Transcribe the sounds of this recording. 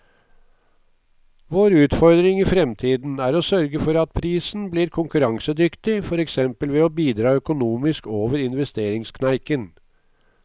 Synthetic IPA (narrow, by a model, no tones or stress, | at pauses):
ʋoːɾʉːt̪fɔɾd̪ɾɪŋiːfɾɛmt̪ʰiːd̪n̩æːɾoːsœɾɡəfɔɾɑt̪̚pʰɾiːsn̩bliːɾkʰʊŋkʉɾɑŋsəd̪ʏkt̪ɪfɔɾɛksɛmpəlʋɛːoːbiːd̪ɾɑːœkʊnuːmɪskoːʋəɾɪnʋɛst̪eːɾɪŋskʰnæɪkən